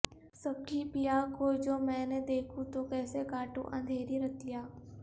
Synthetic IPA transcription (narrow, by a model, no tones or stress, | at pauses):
sɐb̚kʰipijakoːd͡ʒoːmɛ̃ːned̪eːkʰũt̪okɛːsekaːʈṵ̃ʔɐ̰̃nd̪ʱeːɾiɾɐt̪ijaː